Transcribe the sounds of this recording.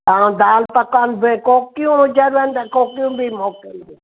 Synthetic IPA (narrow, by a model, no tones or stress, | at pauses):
t̪aːũd̪aːlpɐkaːnbekoːkijũd͡ʒɐɾʋənt̪ɐ̃koːkijũbimoːkɪni